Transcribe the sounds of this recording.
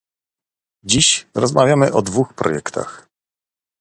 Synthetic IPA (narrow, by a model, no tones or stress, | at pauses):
d͡ʑiɕɾɔzmavʲjamɘʔɔd̪vuxpɾɔ̰jɛkt̪ʰa̰x